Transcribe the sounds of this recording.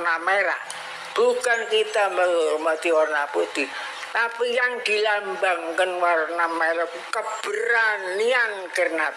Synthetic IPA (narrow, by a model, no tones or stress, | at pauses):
nameɾa̰ | b̥ukankit̪aməlmad̪iornaput̪i | t̪apijaŋd̪̥i̤lambaŋkənwarnameɾa | kəb̥əɾanːian | kərna